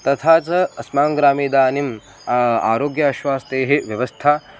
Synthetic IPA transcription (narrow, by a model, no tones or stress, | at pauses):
t̪ɐt̪ʰaːt͡sɐɐsmaːŋɡɾaːmiːd̪aːnim | a̰ːɾoːɡjɐːʃwaːst̪eːɦeʋjɐʋɐst̪ʰaː